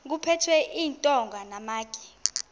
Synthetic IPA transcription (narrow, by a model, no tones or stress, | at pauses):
k̬upʰɛtʰwɛʔiːntʼɔŋɡʱanamaːɡ̥ʱʼi̥